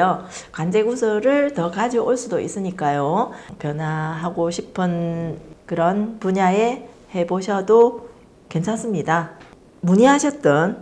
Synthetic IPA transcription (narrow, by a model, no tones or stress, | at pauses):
okwand͡ʑe̞ɡusʰʌɾɯɭtʌkad͡ʑiʔoɭs͈udoḭs͈ɯɲik͈ajopjʌnwaɦaɡoɕʰipʰɯnkɯɾʌnpuɲae̞ | he̞boɕʰʌdo | ke̞nsʰans͈ɯmɲida | muɲiɦaɕʰʌt̚t͈ʌn